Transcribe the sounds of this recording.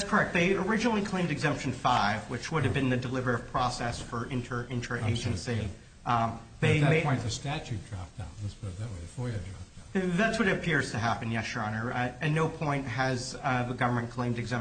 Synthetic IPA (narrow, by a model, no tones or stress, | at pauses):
tskʰə˞ɛk̚t̪̚ðeɪə˞ɪd͡ʒɨnl̩ˠikʰl̥ẽɪ̃mdɨɡzɛ̃mpʃɨ̃n̩faɪvwɨt͡ʃwʊɾɨvbɨ̃nðɨdəlɪvə˞ɨv̥pʰɹ̥ɔsɛsfə˞ʔɪ̃ntʰə˞ʔɪ̃ntʰə˞ʔḛɪd͡ʒɨ̃nsi | ðeɪɪɔ̃ɪ̃ðɨstæt͡ʃʉt̚d̥ɹɑ̰f̚d̥ã̰ʊ̃nðætsb̥ʌɾʌvðɨt̚weɪðɨfɔɹjɨdɹɑfðætswʌɾɨɾɨpʰɪɹz̥tʰɨɦæpɨ̃njɛʃɑnə˞ɨ̃tⁿnoʊpʰɔ̃ɪ̃nt̚ɦɨzðɨɡʌvə˞mɨ̃nkʰl̥ẽɪ̃mdɨɡzɛ̃m